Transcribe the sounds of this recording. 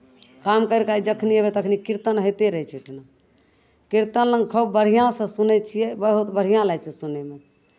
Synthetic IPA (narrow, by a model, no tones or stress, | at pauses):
kamkəɾkaid͡ʒəkʰniebet̪əkʰnikiɾt̪ənɦəjt̪eɾəɦɛt͡ʃʰɛʈʰna | kiɾt̪ənləŋɡkʰubbəɽ̤ijãsə̃sunɛt͡ʃʰijɛbəɦut̪bəɽ̤ijãlajt͡ʃʰɛsuneme